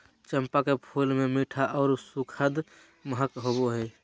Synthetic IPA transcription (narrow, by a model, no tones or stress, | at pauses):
t͡ʃəmpakepʰulmemiʈʰaʔɔʊɾsukʰəd̪ | məɦəkɦoboɦəj